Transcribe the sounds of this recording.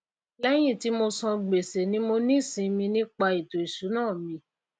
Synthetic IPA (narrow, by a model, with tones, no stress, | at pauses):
lɛ˦j̃ĩ˦˨ti˨˦mo˧sɔ̃˧ɡ͡be˨se˨nĩ˨˦mo˧nĩ˦˨sĩ˧mĩ˧nĩ˦k͡pa˧i˨to˨i˨ʃu˨˦nãː˦˨mĩ˧